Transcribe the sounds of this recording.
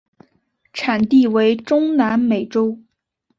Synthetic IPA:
ʈ͡ʂʰa˨˩nt̪i˥˩we˧˥ɪʈ͡ʂʊ˥ŋna˧˥nme˨˩ɪʈ͡ʂo˥ʊ

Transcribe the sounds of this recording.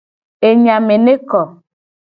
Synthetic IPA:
e˨ɲa˨me˨ne˦kɔ˨

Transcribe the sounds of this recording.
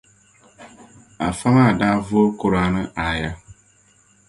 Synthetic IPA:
a˨fa˦ma˦˨daː˦vʊ˦kʊ˦ɾa˨˦nɨ˦ʔa˨ja˦

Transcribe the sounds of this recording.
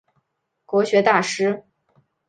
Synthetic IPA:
kwɔ˧˥ɕɥɛ˧˥t̪a˥˩ʂɻ̩˥

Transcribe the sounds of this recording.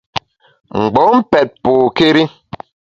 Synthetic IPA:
ŋ͡m̩˨ɡ͡bɔ˨˦m̩˦pɛ˨t̚poː˨ke˦ɾi˦

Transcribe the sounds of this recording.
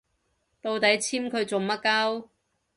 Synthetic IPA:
t̪o˧wt̪ɐ˨˥jt͡sʰiː˥mkʰɵ˨˧ɥt͡so˨˩mɐ˥t̚kɐ˥w

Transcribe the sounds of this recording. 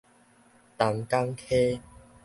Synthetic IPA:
t̪a˨˩ŋka˦ŋkʰe˦

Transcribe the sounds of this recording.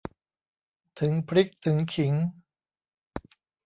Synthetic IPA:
t̪ʰɯ˩˦ŋpʰɾi˦˥k̚t̪ʰɯ˩˦ŋkʰi˩˦ŋ

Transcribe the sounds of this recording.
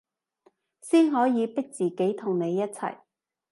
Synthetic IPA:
siː˥nɦɔː˨˥jiː˨˧pɪ˥k̚t͡siː˨ke˨˥jt̪ʰʊ˨˩ŋne˨˧jːɐ˥t̚t͡sʰɐ̰˨˩j

